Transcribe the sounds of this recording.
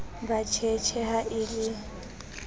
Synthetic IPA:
bat͡ʃʰɛt͡ʃʰɛɦaʔɪlɪ

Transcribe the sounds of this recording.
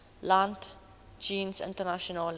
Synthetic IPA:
lãnt | d͡ʒĩːnsɪ̰̃ntənaʃɔnəl

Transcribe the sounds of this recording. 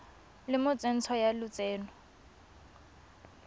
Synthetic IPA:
lɪmʊt͡sʼen̩t͡sʰɔjalʊt͡sʼeːnɔ

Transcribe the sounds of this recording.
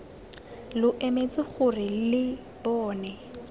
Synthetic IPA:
lʊʔemet͡sʼɪχʊrɪlɪ | bɔːnɛ

